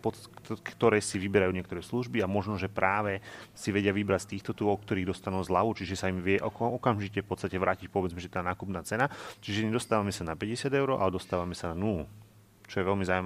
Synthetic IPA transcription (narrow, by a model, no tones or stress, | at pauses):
pɔkt̪ɔɾɛːsiʋibɛɾajuːɲɪɛk̚t̪ɔɾɛːsluʒbiamɔʒnɔʒɛpɾʔaːʋɛsiʋɛɟɪaʋibɾat͡st̪iːxt̪ɔt̪uɔk̚t̪ɔɾiːɣd̪ɔst̪anuːzlaʋut͡ʃiʒɛsaimʋɪɛʔɔkʔɔkamʒicɛfpɔt̪st̪acɛʋɾaːcicpɔʋɛd͡zmɛʒɛt̪aːnaːkupnaːt͡sɛnat͡ʃiʒɛɲɛd̪ɔst̪aːʋamɛsanapɛɟɛsɪad̪ɛʊɾɔʔa̰lɛd̪ɔst̪aːʋamɛsananul | t͡ʃɔjɛʋɛlmizaːuma